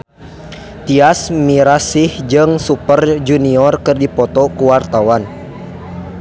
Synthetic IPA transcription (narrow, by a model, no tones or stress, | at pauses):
t̪iasmiɾasihd͡ʒɨŋsupərd͡ʒuniɔrkɨrdipɔt̪ɔkuwart̪awan